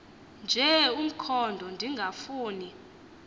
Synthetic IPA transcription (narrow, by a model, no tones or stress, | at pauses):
nd͡ʒʱɛum̩kʰɔndʱɔndʱiŋɡʱafuːni